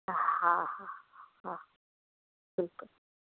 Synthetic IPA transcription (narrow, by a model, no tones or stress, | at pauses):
hahahã | b̥ɪlkʊl